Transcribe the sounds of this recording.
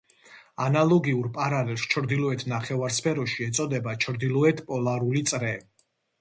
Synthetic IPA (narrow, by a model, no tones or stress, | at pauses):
analˠɔɡiuɾpʼaɾalɛlˠst͡ʃʰɾd̪ilɔɛt̪ʰnaχɛvaɾspʰɛɾɔʃiɛt̪sʼɔd̪ɛbat͡ʃʰɾd̪ilˠɔɛt̪ʰpʼɔlaɾulit̪sʼɾɛ